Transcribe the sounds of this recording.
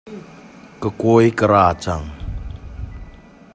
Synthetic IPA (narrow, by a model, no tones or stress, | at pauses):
kəkojkəɾat͡ʃaŋ